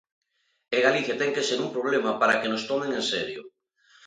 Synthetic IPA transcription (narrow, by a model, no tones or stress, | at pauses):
eɣaliθjat̪ɛŋkeseɾumpɾoβ̞lemapaɾakenost̪omẽŋenseɾjo̰